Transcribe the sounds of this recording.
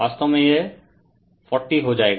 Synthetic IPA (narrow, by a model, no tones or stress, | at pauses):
ast̪ɔmeje | fɔɾʈːiɦod͡ʒaeɡ